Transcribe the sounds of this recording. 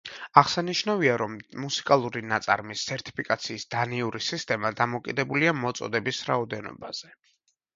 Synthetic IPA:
aʁsaniʃnaviaɾɔmːusi̥kʼalˠuɾinat̪sʼa̰ɾmist̪ːʰɛɾt̪ʼi̥pʰikʼat̪sʰiːsd̪̥aniuɾisist̪ʼɛmad̪amɔkʼid̪ɛbuliamɔt̪sʼɔ̰d̪ɛbisɾaɔd̪ɛnɔ̰baz̥ɛ

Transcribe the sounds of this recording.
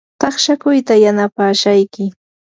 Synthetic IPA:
t̪ɑχʃakʊjt̪ajanapaːʃajkɪ

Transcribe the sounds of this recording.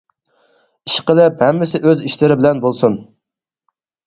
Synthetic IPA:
iʃqəlˠɪphɛmːɪsɪʔøziʃlɪɾɪbɪlɛnbolˠsun

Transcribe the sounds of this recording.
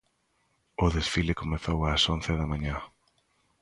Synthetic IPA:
ʊðesfilekomeθowasonθeðɐmãɲã

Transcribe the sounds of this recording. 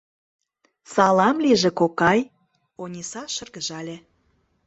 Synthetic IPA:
sɑlɑmliʒĕkokɑj | onʲisɑʃə̆rɣəʒɑlʲĕ

